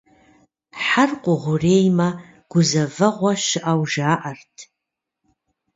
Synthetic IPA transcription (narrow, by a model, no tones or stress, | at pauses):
ħarqʷʼʊʁʷʊreːjma | ɡ̥ʷʊzɐvɨʁʷaʃɪʔawʒaːʔartʰ